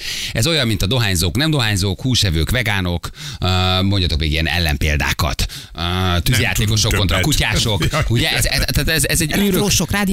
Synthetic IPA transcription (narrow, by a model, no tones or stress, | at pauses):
ɛzo̞jɒmːint̪ɒd̪o̞ɦaːɲzoːknɛmd̪o̞ɦaːɲzoːkhuːʃɛvøːkʋɛɡaːno̞k | moɲɟɒt̪okmeːɡiɛnɛ̰lːɛ̰mpḛːld̪a̰ːkɒ̰t̪ː | yzjaːt̪eːkoʃok̪ːont̪ɒkucaːʃo̞kuɟɛʔɛzɛt̪aːt̪ɛzɛzɛɟyːɾøoʃokraːd̪i